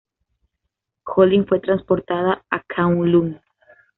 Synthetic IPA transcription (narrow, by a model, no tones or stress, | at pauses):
xoliŋfwe̞t̪ɾanspo̞ɾt̪aðaakʰawŋlum